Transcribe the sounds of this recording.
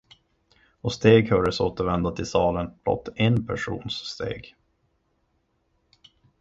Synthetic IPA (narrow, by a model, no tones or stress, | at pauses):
ɔst̪eːɡhœːɖəsoːt̪əɾvɛnd̪at̪ʰɪlsɑːlənbʰlɔ̰t̪ʰːɛnpʰæʂṵːnsːt̪ḛːɡ